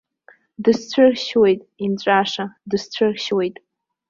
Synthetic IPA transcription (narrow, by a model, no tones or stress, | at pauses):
dɨst͡ɕʰɨrʃwe̞jtʼimt͡ɕʷʼaʂadɨst͡ɕʷʰɨrʃwe̞jtʼ